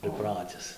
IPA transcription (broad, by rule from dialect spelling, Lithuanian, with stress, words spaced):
pʲrʲɪˈprɑːtʲɪs